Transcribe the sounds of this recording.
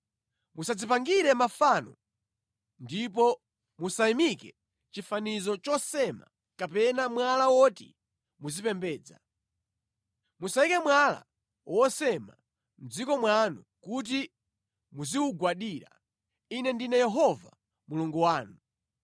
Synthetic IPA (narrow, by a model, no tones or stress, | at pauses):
musad͡zipaŋɡiɾɛmafanɔ | ndip̬ɔ | musajimikɛ | t͡ʃifanizɔt͡ʃɔsɛma̰ | kapɛnamwalawɔtḭ | muzipɛmbɛːd͡za̰ | musajikɛmwala̰ | wɔsɛma̰ | m̩d͡zikɔmwanu | kut̬i | muziwuɡwaɗiːɾa̰ | inɛndinɛjɛɦɔva̰ | muluŋɡuwaːnu